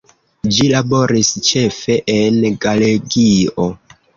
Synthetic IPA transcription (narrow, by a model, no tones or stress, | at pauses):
d͡ʒilabo̞ɾist͡ʃe̞fe̞ʔenɡaleɡio